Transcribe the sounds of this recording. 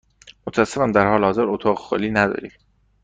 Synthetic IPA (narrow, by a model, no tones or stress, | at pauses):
mot̪ʰææsefænd̪æɾɦɒːlehɒːzeɾot̪ʰɒːɣexo̰ːliːnæd̪ɒ̰ːɾḭ